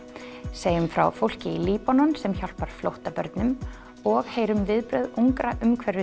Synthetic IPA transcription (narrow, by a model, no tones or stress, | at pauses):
seːjʏmfɾa̰wfowl̥cɪiliːpanɔnsɛmçɔl̥paɾ̥flowht̪apœ̰ɾt̪nʏm | ɔɣheːjɾʏmvɪðpɾœɥðuŋkɾaʔʏmkʰvɛɾʏ